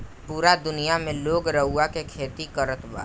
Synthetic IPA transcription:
puːɾad̪ʊnijamẽloːɡɾəɦuakekʰeːt̪ikəɾət̪ba̰ː

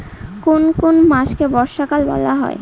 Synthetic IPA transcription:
konkonmaʃkebɔɾʃakalbɔ̰laɦɔ̰e

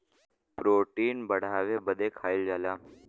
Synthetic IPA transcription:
pɾoːʈiːnbəɽ̤ʱaːʋeːbəd̪eːkʰaːɪld͡ʒaːlaː

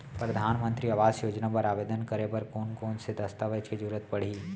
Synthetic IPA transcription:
pɾɐd̪ʱaːnmə̃nt̪ɾiɐʋaːzjoːd͡ʒnapɐɾaːʋeːd̪ənkɐɾepɐɾkoːnkoːnsed̪ɐst̪aʋet͡ʃked͡ʒuːɾət̪pɐɽ̤iː

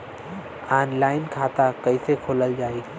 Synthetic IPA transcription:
aːnlaːɪnkʰaːt̪akɐisekʰoːləld͡ʒaːe

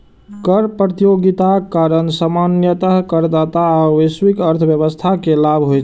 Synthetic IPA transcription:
kəɾpɾət̪ijoɡit̪akːaɾənsamanjət̪əɦkəɾd̪at̪aəʋeswikəɾt̪ʰbjəβəst̪ʰakelabʱɦojt͡ʃ

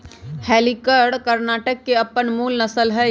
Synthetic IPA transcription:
hɛːlikəɾɖkəɾnaːʈəkːeɐpːənmuːlnəsəlɦɛ

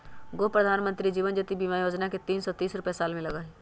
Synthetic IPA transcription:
ɡoːpɾəd̪ʱaːnmə̃nt̪ɾid͡ʒiːʋənd͡ʒət̪ibimajoːd͡ʒnaket̪iːnsɔt̪iːsɾʊpjesaːlmẽlɐɡə

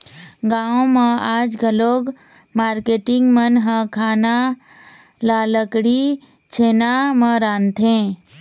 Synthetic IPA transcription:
ɡaːõmãaːd͡ʒɡʱəloːɡ | maːɾkeʈɪŋɡmənɦə̃kʰaːna | laləkɽi | t͡ʃʰeːnamə̃ɾaːnt̪ʰẽː

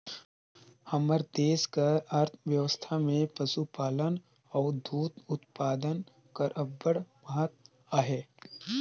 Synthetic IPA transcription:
həməɾd̪eːskəɾəɾt̪ʰʋjəʋəst̪ʰamẽpəsupaːlən | ɔːɾd̪ʱuːt̪ʊt̪paːd̪ən | kɐɾʔəbːəɽməɦət̪̚ | aːɦeː

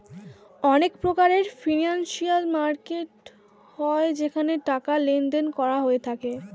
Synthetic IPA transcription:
ɔnekpɾokaɾeɾfinanʃialmaɾkeʈ | hɔed͡ʑekʰaneʈakalend̪enkɔɾaɦoet̪ʰake

